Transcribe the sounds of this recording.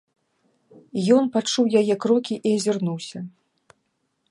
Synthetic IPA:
jɔnpat͡ʂuwjajɛkɾɔkʲiʔiɐzʲirnuwsʲɐ

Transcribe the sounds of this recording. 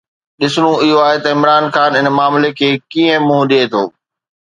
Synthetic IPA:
ɗɪsɽ̃ũɪɦoaːɦet̪ɐɪmɾaːnxaːnɪnmaːmlekʰeːkiːə̃mũɦɗeːt̪ʰoː

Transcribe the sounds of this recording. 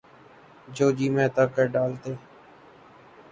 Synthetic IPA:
d͡ʒoːd͡ʒiːmɛ̃ːt̪aːkəɾɖaːlt̪eː

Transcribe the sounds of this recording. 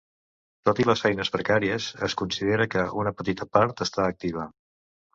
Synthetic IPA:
t̪ot̪iləsfɛjnəzβɾəkaɾiəzəskunsiðeɾəkəʔunəpət̪it̪əpaɾt̪əst̪aːk̚t̪iβ̞ə

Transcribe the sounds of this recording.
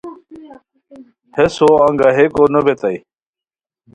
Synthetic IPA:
hesoɐŋɡaɦekonəbet̪ai

